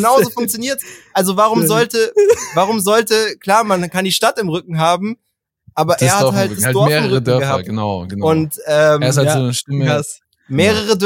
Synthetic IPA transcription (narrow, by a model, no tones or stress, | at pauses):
ənaʊzzoːfʊŋk̚t͡sjoniːɐtʔalzovaʁ̞ʊmzɔltəvaʁ̞ʊmzɔltəkl̥aːɐmankandiːʃtatɪmʁʏk̚ŋ̩ɦaːbm̩ | ʔaːbɐʔeːɐhahaladɔɐmeːʁəədœɐəfhaːptɡənaʊɡəʊntʔɛːɐɪsalzonʃtɪmas | meːʁ̞əʁ̞əd